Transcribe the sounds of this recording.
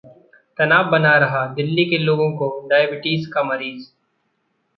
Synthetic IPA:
t̪ɐnaːbbɐnaɾɐɦad̪ɪlːikeloːɡõkoɖaːjəbɪʈiːskamɐɾiːz

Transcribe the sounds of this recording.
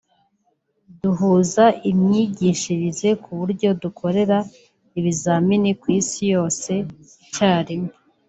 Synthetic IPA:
duɦuːzaʔimɲiːɟiʃiɾize̞kʰuβuɾɟo̞dukʰo̞ɾe̞ɾa | iβizaminikwiːsijo̞ːse̞ | caːɾime

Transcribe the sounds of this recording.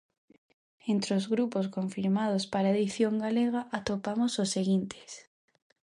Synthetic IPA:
ent̪ɾeozɣɾuposkoɱfiɾmað̞ospaɾaeðiθjoŋɡaleɣ̞aʔat̪opamososːeɣint̪ʰe̥s

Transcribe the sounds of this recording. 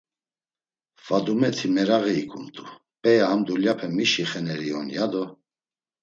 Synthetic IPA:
vad̪umɛt̪ʰimɛɾaɣiːkʰʼumt̪ʼu | pʼɛjahamd̪uljapʰɛmiʃiχɛnɛɾiɔnjad̪ɔ

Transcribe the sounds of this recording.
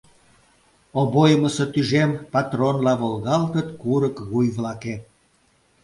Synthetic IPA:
obojməset̪yʒempɑt̪ronlɑβolɣɑlt̪ət̪kuɾəkɣujβlɑke

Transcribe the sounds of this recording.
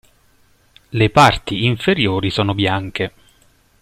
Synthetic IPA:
lepart̪iːɱfeɾjoːɾisɔːnobjaŋk̟e

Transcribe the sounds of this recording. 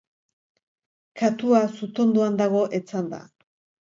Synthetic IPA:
kat̪uasut̪o̞nd̪uand̪aɣ̞o̞ʔet͡sand̪a̰

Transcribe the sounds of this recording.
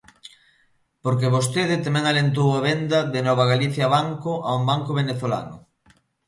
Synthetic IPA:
poɾkeβost̪eðɪt̪amɛ̃ŋalent̪owaβend̪ɐðenɔβ̞ɐɣaliθjɐβaŋkoʔaumbaŋkoβ̞eneθola̰nʊ̰

